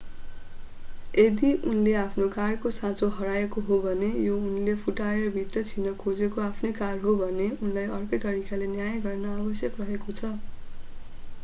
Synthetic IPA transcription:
ed̪iʔunleapʰnokarkosãt͡soɦʌɾaekoɦobʱʌnejounlepʰuʈaerʌbʱiʈ̪rʌt͡sʰinʌkʰod͡zekoapʰnʌjkarɦobʱʌneunlajʌrkʌjt̪ʌɾikalenjajɡʌrnʌabʌsjʌkrʌɦekot͡sʰʌ

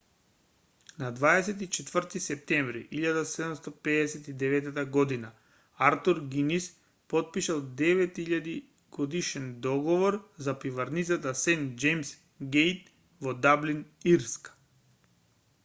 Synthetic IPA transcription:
nad̪vaɛs̬ɛt̪it͡ʃɛt̪vərt̪isɛp̚t̪ɛɱvɾḭʔiʎad̪asɛd̪umst̪ɔpɛdɛsɛt̪id̪ɛvɛt̪at̪aɡɔd̪ina | aɾt̪uɾɡinis | pɔt̪̚piʃalˠd̪ɛvɛt̪iʎad̪i | ɡ̥ɔd̪iʃɛnd̪ɔɡɔvɔɾzapivaɾnit̪sat̪asɛnd͡ʒɛjms | ɡejt̪ | vɔd̪abliniɾsk

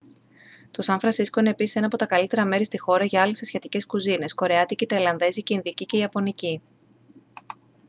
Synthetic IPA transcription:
t̪o̞sɐɱfɾɐnsiskoinepisi̥se̞nɐpo̞t̪ɐkɐlit̪e̞ɾɐme̞ɾist̪ixo̞ɾɐʝɐɐlesesçet̪ice̞skuzine̞sko̞ɾe̞ɐt̪iceit̪ɐilɐnðe̞siceinðiciceiɐpo̞nici

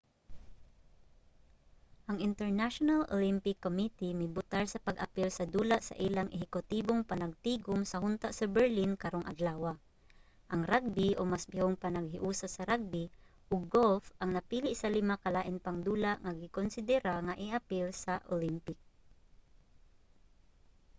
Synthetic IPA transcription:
ʔɐŋɪnt̪ɛɹnaʃonalo̰limpɪkːomit̪imɪbʊt̪aɹsɐpɐɡʔɐ̰pɪlsɐd̪uːlaʔsɐ̰ʔiːlaŋʔɪɦɪkʊt̪iboŋpɐnɐɡ̚t̪iːɡʊmsɐɦʊnt̪aʔsɐbɛɹlinkɐɾoŋʔɐ̰d̪laːwa | ʔɐŋɾaɡ̚bɪʔomasbɪhʊŋpanaɡ̚ɦɪʔuːsasɐɾaɡ̚bɪ | ʔʊɡɡolfʔɐŋnɐpiːlɪʔsɐlɪmakalaːʔɪnpaŋd̪uːlaʔŋaɡɪkonsɪd̪ɛɾaŋaʔɪʔapɪlsɐʔo̰lɪmpɪk̚

